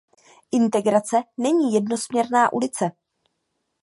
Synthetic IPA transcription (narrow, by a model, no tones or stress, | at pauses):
ʔɪnt̪ɛɡɾat͡sɛnɛɲiːjɛdno̞smɲɛɾnaːʔulɪt͡sɛ